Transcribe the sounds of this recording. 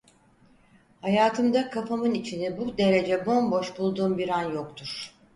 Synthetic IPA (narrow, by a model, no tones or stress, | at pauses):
hajaːt̪ʰɯmd̪akʰafamɯnit͡ʃʰinibud̪e̞ɾe̞d͡ʒɛbo̞nbo̞ʃbulˠd̪uːmbiɾanjo̞k̚t̪ʰuɾ̥